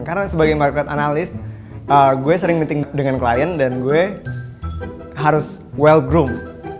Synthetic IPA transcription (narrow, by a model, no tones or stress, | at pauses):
kaɾənasəbaɡajmarkɾat̪analɪst̪̚ | ʔəɡuɛsəɾɪŋmənt̪ɪŋdəŋanklajəndanɡuɛ | ɦaɾʊs | wɛlɡɾum